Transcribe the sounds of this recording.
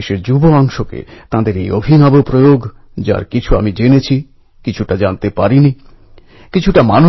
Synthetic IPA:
ʃeɾd͡ʑuboɔŋʃokḛt̪ãd̪eɾejobʱinabopɾojoɡ | d͡ʑa̰ɾkit͡ɕʰua̰mid͡ʑenet͡ɕʰi | kit͡ɕʰuʈad͡ʑant̪epaɾini | kit͡ɕʰuʈamanu

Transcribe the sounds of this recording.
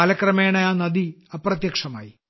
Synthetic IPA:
alɐkrɐmeːɳɐjaːnɐd̪iɐprɐt̪jɐkʂɐma̰ːji

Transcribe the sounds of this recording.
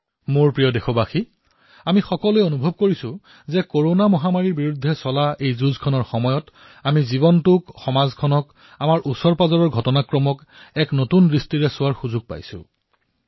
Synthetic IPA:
moɹpɹijɔdexɔbaxi | amixɔkɔlʊjonubʱɔb̚koɹisʊ̃ | zɛkoɹonamɔɦamaɹiɹbiɹudʱːɛsɔlaʔejzuzkʰɔnɔɹxɔmɔjɔt | amizibɔntʊkxɔmazkʰɔnɔk | amaɹʔusɔɹpazɔɹɔɹɡʱɔtɔnakɹɔmɔk | ɛknotunɹistiɹɛsʊwaɹxuzuɡ̚pa̰jsʊ̰̃

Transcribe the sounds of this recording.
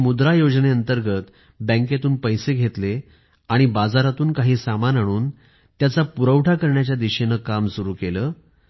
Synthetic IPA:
mud̪ɾajod͡zneənt̪əɾɡʱət̪ | bɛ̃ŋkat̪uːnpəjseɡʱet̪le | aɽ̃ibad͡zaɾat̪uːnkaɦiːsamanɦaɽ̃uːn | t̪jat͡sapuɾəʋʈʰakəɾɳjat͡ɕjad̪iɕenəkamsuɾuːkeləː

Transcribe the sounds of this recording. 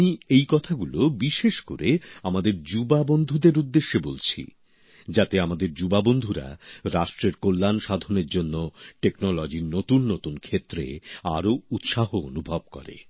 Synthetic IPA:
iejkɔt̪ʰaɡulobiʃeʃko̰ɾeamad̪eɾd͡ʑubabond̪ʱud̪eɾud̪ːeʃːebolt͡ɕʰḭ | d͡ʑat̪eamad̪eɾd͡ʑubabond̪ʱuɾa̰ɾaʃʈɾeɾkolːanʃad̪ʱoneɾd͡ʑonːoʈeknɔlɔd͡ʑiɾnot̪unːot̪unkʰet̪ːɾḛaɾout̪ʃaɦoo̰nubʱab̚kɔ̰ɾḛ

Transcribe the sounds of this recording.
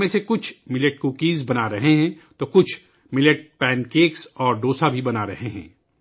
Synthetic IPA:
mẽsekʊt͡ʃʰmɪleʈ̚kuːkiːzbɐnaɾɐɦeɦɛ̃t̪okʊt͡ʃʰ | mɪleʈ̚pɛ̃ːnkeːksɔːɾɖoːsabʱibɐnaɾɐɦeɦɛ̰̃ː

